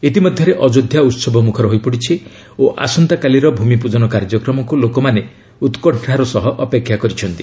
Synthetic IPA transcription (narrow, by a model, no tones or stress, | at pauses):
it̪imɔd̪ʱjɔɾeʔɔd͡ʒod̪ʱjaut̪sɔbʱɔmukʰɔɾɔɦojpɔɽit͡ʃʰi | oʔa̰sɔnt̪akaliɾɔbʱumipud͡ʒɔnɔkaɾd͡ʒɔkɾɔmɔkulokɔmane | ut̪kɔʈʰɽaɾɔsɔɦɔʔɔpekʰːjakɔɾit͡ʃʰɔnt̪i̥